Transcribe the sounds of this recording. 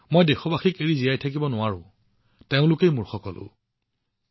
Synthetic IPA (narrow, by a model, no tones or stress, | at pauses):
mojdexɔbaxikeɹizijajtʰak̬ibɔnʊwaɹʊ̰̃ | teʊ̃lʊkejmʊɹxɔkɔlʊ̰